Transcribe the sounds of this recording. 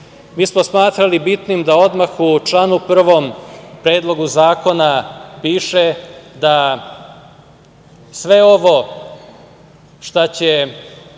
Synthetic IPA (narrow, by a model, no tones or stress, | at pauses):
miːsmo̞smaːt̪ɾalibit̪nimd̪ao̞d̪maxut͡ʃlˠanupr̩ʋo̞mpɾe̞ːd̪lˠo̞ɡuzaːko̞napiːʃed̪a | sʋe̞o̞ʋo̞ | ʃt̪at͡ɕe